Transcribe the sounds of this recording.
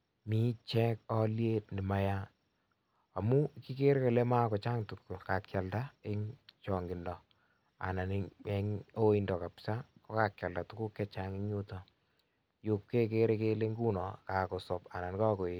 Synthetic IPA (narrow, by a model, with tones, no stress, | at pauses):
mi˦t͡ʃɛ˦kɔ˦lje˦tni˨ma˨˦ja˦ | a˨mu˦ki˦ke˦ɾe˦ka˨le˦ma˦kɔ˨t͡ʃa˦ŋtu˨kːu˨ka˨kja˨lda˦ɪ˦ŋt͡ʃɔ˨ŋɡɪ˨ndɔ˨ | a̰˨na˨ni˦e˦ŋo˦i˦ndɔ˨ka˨psa˦kɔ˦ka˨kja˨lda˨tu˦ku˦kːɛ˦t͡ʃa˨ŋi˦ɲu˦tɔ˦ | jo˨kːe˦k̬e˦ɾe˦ke˦le˦ŋɡu˦nɔ˨ka˨kɔ˨sɔ˨pa̰˨na˨n˦ka˦ko˨je˨